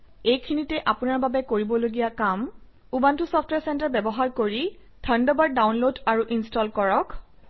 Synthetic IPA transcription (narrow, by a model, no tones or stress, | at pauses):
ejkʰinitɛʔapunaɹbabɛkoɹibɔloɡijakam | ubantʊsɔpʰtwɛɹsɛntaɹbɛbɔɦaɹkoɹi | tʰəndɔbaɹdawnlodaɹuʔinstɔlkɔɹɔk